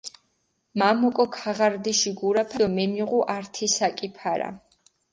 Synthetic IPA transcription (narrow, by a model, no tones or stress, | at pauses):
mamɔkʼɔkʰaʁaɾd̪iʃiɡuɾapʰad̪ɔmɛmiʁuʔaɾt̪ʰisakʼipʰaɾa̰